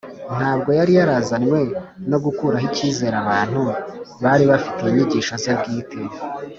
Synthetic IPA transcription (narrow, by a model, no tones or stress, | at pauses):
n̥haːb̚ɡo̞jaɾijaɾazaɲwe̞no̞ɡukuɾaɦiciːze̞ːɾaβaːn̥huβaɾiβafi̥te̞iɲiɟiːʃozabɡiːtʰe